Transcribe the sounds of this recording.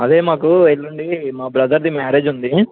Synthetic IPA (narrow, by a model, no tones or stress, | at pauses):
ɐd̪e̞ːmaːkuelːuɳɖimaːbɾɐd̪ɐɾd̪imaːɾeːd͡ʒund̪i